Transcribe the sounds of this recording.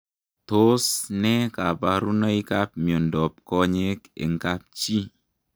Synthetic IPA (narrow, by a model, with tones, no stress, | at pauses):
to˦snɛ˦ka˨pa˨ɾu˦na˦i˦ka˦p̚mi˨ɔ˨ndɔ˨p̚kɔ˦ɲe˦kḛ˨ŋ˦ka˦p̚t͡ʃi˦